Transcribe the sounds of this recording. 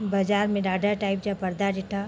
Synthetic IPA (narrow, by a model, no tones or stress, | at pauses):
bɐd͡ʒaːɾmẽɖaːɖaɾʈaːɪp̚d͡ʒapɐɾd̪ad͡ʒɪʈʰa